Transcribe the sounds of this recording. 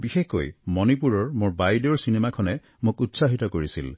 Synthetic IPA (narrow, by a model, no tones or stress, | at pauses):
bixeko̰jmɔnip̬uɹɔɹmʊɹbajdoɹsinemakʰɔnɛ | mʊkutsaɦitɔkoɹisḭl